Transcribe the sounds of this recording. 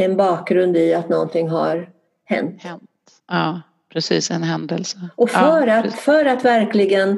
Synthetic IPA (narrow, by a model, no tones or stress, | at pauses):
ɛnbɑːk̚ɡɾɵnd̪ɪat̪nɔnt̪ʰɪŋːɦa̰ɾ | hɛ̰nt̪hɛn | ɑː | pʰɾɛsḭːsɛnɦɛnd̪ɛlsəʔɔfœɾat̪fœɾat̪væɾklɪɡən